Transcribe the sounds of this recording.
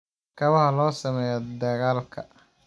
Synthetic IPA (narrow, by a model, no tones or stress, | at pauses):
kʰɐβɐɦɐlɔːsɐmɛːjɐd̪ɐɣaːlkʰɐ̰